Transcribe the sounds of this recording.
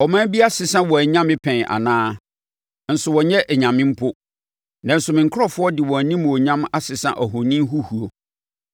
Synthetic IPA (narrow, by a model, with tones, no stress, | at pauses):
ɔ˨mã˦bi˦a˦sɪ˨sã˦wɔ˨æ˨ɲã˦mɪ̃˦pʰɛ̃˨ʔa̰˨nãː˦ | n̩˨sʊ˨wɔ˨ɲɛ˦ʔɛ˨ɲã˨mɪ̃˦m̩˦pʰʊ˦ | nã˨n̩˨sʊ˨mɪ̃˨ŋ̩˨kʰɾɔ˦fʊ˦ɔ˦dɪ˨wɔ̃˨nĩ˦m˨o˨ɲã˦ma˦sɪ˨sã̰˦ʔɔ˨ɦʊ̃˨nĩ˦m˦ɦu˦hu˨o˨